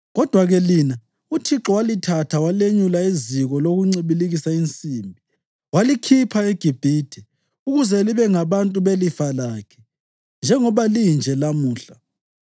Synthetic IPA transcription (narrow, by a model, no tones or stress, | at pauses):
ɣɔd̥ʱwaɣɛlina | utʰiǁɔwalitʰatʰawaleɲulaiziɣɔloɣuŋ͡ǀiβiliɣisaint͡sʼiːmbʱi | walikʰipʰaeɡ̥ʱib̥ʱitʰɛ | uɣuzɛliβɛŋaβantʼuβelifalakʰɛ̥ | nd͡ʒʱɛŋɔβalind͡ʒʱɛlamuːɬa